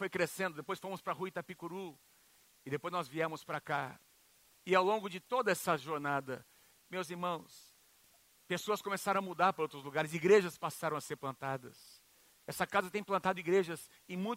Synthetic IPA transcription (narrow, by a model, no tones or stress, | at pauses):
fojkɾesẽnd̪ʊd̪epojsfõmʊspɾɐhuit̪ɐpikuɾu | ɪd̪epojznɔzviɛɾmʊspɾaka | ɪawlõŋɡʊd͡ʒɪt̪od̪ɐɛsɐʒoɾnad̪ɐ | mewziɾmɐ̃w̃s | pesoɐskõmesaɾɐ̃ɐmud̪aɾpaɾɐowt̪ɾʊzluɡaɾɪziɡɾeʒɐspasaɾɐ̃w̃ɐseɾplɐ̃nt̪ad̪ɐ̰s | ɛsɐkazɐt̪ẽj̃plɐ̃nt̪ad̪ʊiɡɾeʒɐz | ẽj̃mũj̃